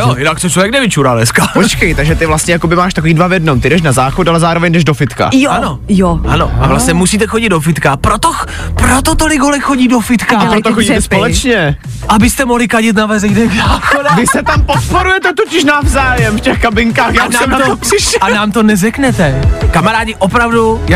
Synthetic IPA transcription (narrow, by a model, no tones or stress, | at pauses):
jojɪnakt͡ssot͡ʃlovjɛknɛvɪt͡ʃuːɾaːnɛskapot͡ʃkɛjt̪aɡʒɛt̪ɪvlast̪ɲɛjakobɪmaːʃt̪akoiːdvavjɛdnomt̪ɪdɛʃnazaːxot̪alɛzaːɾovɛɲdɛʒdofɪt̪ka̰jano̞joʔano̰ʔa̰vlast̪ɲɛmusiːt̪̬ɛxo̞ɟɪd̪dofɪt̪kapɾot̪o | pɾot̪ot̪olɪɡɦolɛkxoɟiːdofɪt̪kaapɾot̪oxoɟiːt̪ɛspolɛt͡ʃɲɛ | ʔabɪst̪ɛmoɦlɪkaɟɪt̪navɛzɛjnɛːɡzaːxodɛvɪsɛt̪ampot̪̚poɾujɛt̪ɛt̪ocɪʃnavzaːjɛmfcɛxkabɪŋkaːxjaːuaɛmnaopsɪʃanaːmt̪o̞nɛzɛknɛt̪ɛkamaɾaːɟɪʔopɾavduja